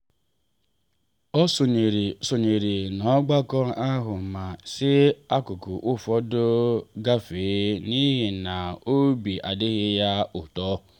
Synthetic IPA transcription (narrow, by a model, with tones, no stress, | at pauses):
ɔ˦so˨ɲe˨ɾi˨so˨ɲe˨ɾi˨nɔ˨˦ɡ͡ba˦kɔ˦a˦ɦʊ˨ma˨sɪ˦a˦kʊ˨kʊ˨ʔʊ˦fɔ˦dʊ˦ɡa˦feː˨˦ni˦ɦi˨na˨o˦bi˨ʔa˨dɪ˦ɣɪ˦ja˦ʊ˨tɔ˦